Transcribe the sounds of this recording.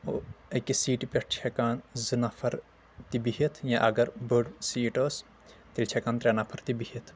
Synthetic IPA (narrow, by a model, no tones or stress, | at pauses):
oekisiːʈpʲeʈt͡ʃʰekaːnzɨnapʰɐɾ | t̪ibiɦit̪ʰjãʔɐɡɐɾbəɖsiːʈoːs | t̪ilʲt͡ʃʰekaːnt̪ɾeːnapʰɐɾt̪ibiɦit̪ʰ